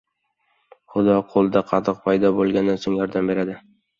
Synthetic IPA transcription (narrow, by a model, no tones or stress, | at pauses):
χʊd̪ɒqʰolˠd̪aqʰɑt̪ʰɨq̚pʰajd̪ɒbolˠɡʲand̪ansoŋjɒɾd̪ambe̞ɾad̪ɪ